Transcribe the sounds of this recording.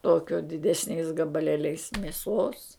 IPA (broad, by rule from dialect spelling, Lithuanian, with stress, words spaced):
ˈtoːkʲoː dʲɪdʲɛsʲˈnʲɛɪs ɡɐbɐˈlʲeːlʲɛɪs mʲeːˈsoːs